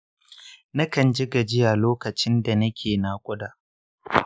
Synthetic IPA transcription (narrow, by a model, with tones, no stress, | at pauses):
nɐ˦kɐ˨nd͡ʒɪ˦ɡa˨d͡ʒɪ˦ja˨loː˦kɐ˨t͡ʃɪ˦nda˨nɐ˦kʲʰeː˨naː˨kʷʼʊ˦daː˨